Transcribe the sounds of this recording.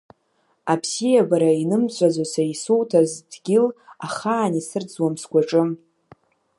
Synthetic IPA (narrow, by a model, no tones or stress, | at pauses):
apʰsijabaɾainɨmt͡ɕʷʼad͡zʷasaisuwtʰazdɡʲɪlaχaːnisɨrd͡zwamskʷaʈ͡ʂʼɨm